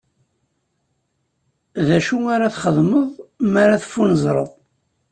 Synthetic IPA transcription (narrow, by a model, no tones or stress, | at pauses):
ðæʃuaɾaθχəðˤməðˤmaɾaθfːunəzˤɾˤə̰ðˤ